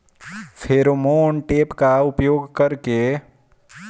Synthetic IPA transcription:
fʰeːɾomoːnʈeːpkaʊpjoːɡkɐɾke

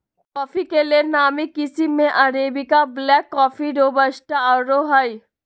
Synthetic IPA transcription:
kɔːfikelenaːmikɪsimẽʔɐɾeːbikablɛːkːɔːfiɖobɐʃʈaɾoɦai

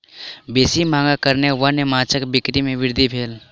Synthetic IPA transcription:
beːsimãːŋɡakəɾneʋənemãːt͡ʃəkbɪkɾimẽʋɪɾd̪ʱibʱeːl

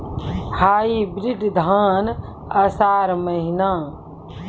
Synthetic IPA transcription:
haːiːbɾɪɖd̪ʱaːn | ɐsaːɾməɦinaː

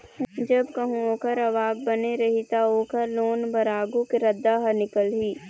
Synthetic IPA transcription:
d͡ʒɐbkɐɦũoːkəɾɐʋaːɡ̚bɐneɾɐɦit̪aoːkɐɾloːnbɐɾaːɡũkeɾɐd̪ːaɦɐnɪkəlɦiː

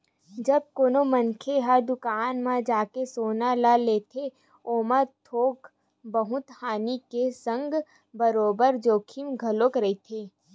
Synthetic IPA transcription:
d͡ʒɐb̚koːnomə̃nkʰeɦəɾd̪ʊkaːnmãd͡ʒaːkesoːnalaleːt̪ʰe | oːmət̪ʰoːk | bəɦʊt̪haːnikesə̃ŋɡ | bəɾoːbəɾd͡ʒoːkʰimɡʱɐloːkɾɐit̪ʰeː

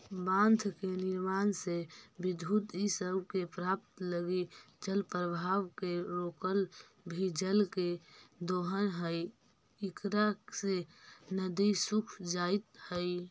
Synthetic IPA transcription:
bãːnd̪ʱkenɪɾmaːnsebɪd̪ʱud̪isəbkepɾaːp̚t̪ləɡi | d͡ʒəlpɾəbʱaːwkeɾoːkəl | bʱid͡ʒəlked̪oːɦənɦəi | ɪkɾasenəd̪isʊkʰd͡ʒaːɪt̪həi

